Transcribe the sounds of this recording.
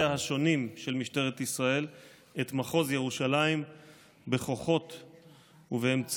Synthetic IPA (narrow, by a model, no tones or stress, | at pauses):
ahaʃo̞nimʃe̞lmiʃte̞ʁet̪isʁae̞l | et̪maχozje̞ʁuʃalaim | be̞χo̞χo̞t̪ | uveemt͡s